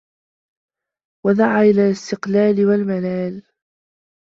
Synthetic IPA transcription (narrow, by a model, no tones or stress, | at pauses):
wad̪aʕaːʔɪlaːlɪst̪ɪqlaːlɪwalmalaːl